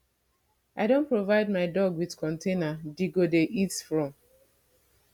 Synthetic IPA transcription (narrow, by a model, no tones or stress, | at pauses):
aɪdõnpɹovaɪd̚maɪdɔɡwiðkɔ̃ntʰenadiɡodeʔitfɹɔ̃m